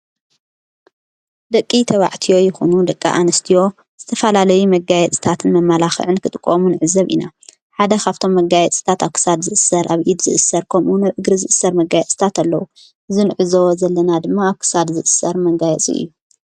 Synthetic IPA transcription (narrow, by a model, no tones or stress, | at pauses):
d̪ɐkʼːit̪ʰɐβa̰ʕt̪ʰijo̞jɪxonud̪ɐkʼːa̰ʔanɐst̪ʰijo̞ | z̥ɨt̪ʰɐfɐlalɐjumɐɡajɛt͡sʼi̥t̪ʰat̪ʰɨnmɐmːalaxɨ̰ʕɨnkʰɨt̪ʼɨkʼːomunɨʕɨzːɐβʔḭna | ħad̪ɐkʰaβt̪ʰomːɐɡajɛt͡sʼɨ̥t̪ʰat̪aβkʰɨ̥sad̪zɨʔɨsːɐɾʔaβʔid̪zɨʔɨsɐɾkʰɐmʔunaβʔɨɡɾɨzɨʔɨsːɐɾmɐɡajɛt͡sʼt̪ʰat̪alːɐwu | ʔɨzinɨʕɨzowozɐlːɐnad̪ɨmːaːβkʰɨ̥sad̪zɨʔɨsɐɾmɐɡajɛt͡sʼḭʔḭjːu